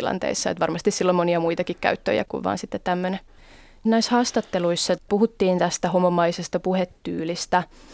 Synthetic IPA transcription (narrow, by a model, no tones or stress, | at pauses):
ilɑ̰nt̪ḛisːɑḛt̪ʋɑrmɑst̪issilːomoniɑmuit̪ɑkikkæ̰yt̪ːø̰jæ̰kkṵʋʋɑ̰ːnsit̪ːet̪t̪ːæmːøne | næishɑːst̪ɑt̪ːeluisːɑpuhut̪ːiːnt̪æst̪æhomːomːɑisest̪ɑpuhet̪ːyːlist̪æ